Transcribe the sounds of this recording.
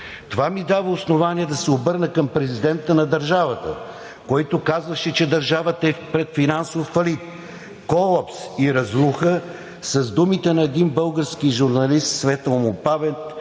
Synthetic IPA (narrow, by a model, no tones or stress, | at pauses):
t̪ovamid̪avəosnovaniɛd̪ɐsɛobɤɾnəkɐmpɾɛzid̪ɛnt̪ənɐd̪əɾʒavət̪ə̰ | kɔjt̪ʊkazvəʃɛt͡ʃɛd̪ɐɾʒavət̪əɛpɾɛt̪finansofːɐlit̪̚ | kɔlˠapsiɾɐzlˠuxə | sɐzd̪umit̪ɛnɐɛd̪inbɤlˠɡəɾskiʒuɾnɐlist̪svɛt̪lmʊpavɛnt̪